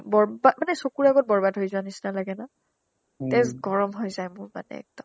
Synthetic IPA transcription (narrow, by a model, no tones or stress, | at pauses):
bɔɹbamanɛsokuɹaɡɔt̚bɔɹbadɦojzʊanisinalaɡɛna | tɛzɡɔɹɔmɦojzajmʊɹma̰nɛ̰ɛ̰k̚tɔm